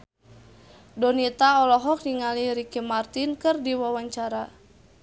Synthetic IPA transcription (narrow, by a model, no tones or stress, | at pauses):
dɔnit̪aɔlɔɦɔk̚niŋaliɾikimart̪inkɨrdiwawaɲt͡ʃaɾa